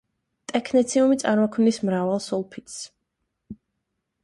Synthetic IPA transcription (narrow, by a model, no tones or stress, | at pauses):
t̪ʼɛkʰnɛt̪sʰiumit̪sʼaɾmɔkʰmnismɾavalˠsulˠpʰit̪s